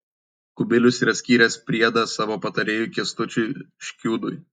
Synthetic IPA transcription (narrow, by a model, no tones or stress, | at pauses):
kʊbʲɪlʲʊsiːɾɐsʲkʲiːɾʲɛspʲɾʲiɛd̪ɐsɑːʋoːpɐt̪ɐɾʲeːjuːˑkʲiɛst̪ʊt͡ʃʲʊʃʲkʲuːd̪ʊj